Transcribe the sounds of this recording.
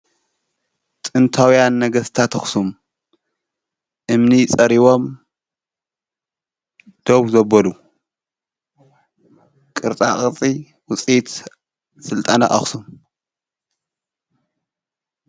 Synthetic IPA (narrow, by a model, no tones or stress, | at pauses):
t̪ʼɨnt̪ʰawjanːɐɡɐst̪ʰat̪ʰɐxsum | ʔɨmnit͡sʼɐɾiβo̞m | d̪̥oβzɐbɐlu | kʼɨɾt͡sʼaχʼɨt͡sʼi | wʊt͡sʼit̪ | sɨlt̪ʼana̰ʔɐ̰xsum